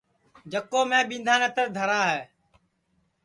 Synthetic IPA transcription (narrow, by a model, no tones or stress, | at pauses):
d͡ʒəkoːmɛ̃ːɓĩːnd̪ʱaːnɛ̃ːt̪əɾd̪ʱəɾaːɦɛː